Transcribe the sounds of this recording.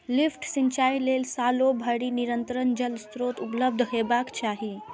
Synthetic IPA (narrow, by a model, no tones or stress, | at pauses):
lifʈsiɲt͡ʃaːilelsaːlobʱəɽiniɾənt̪ɾənd͡ʒəlst̪ɾoːt̪upləb̚d̪ʱɦebakt͡ʃaːɦi